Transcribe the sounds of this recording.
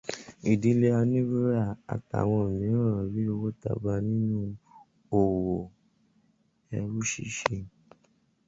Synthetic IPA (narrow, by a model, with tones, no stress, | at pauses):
i˨di˨˦le˧a˧nĩ˦bu˦ɾa˦˨a̰˨ta̰˨w̃ɔ̃˧˨mĩ˨˦ã˦ɾã˨ɾi˦o˧wo˦ta̰˨ba˦nĩ˦nũ˦ | o˨wo˨ | ɛ˧ɾu˦ʃḭ˦ʃe˧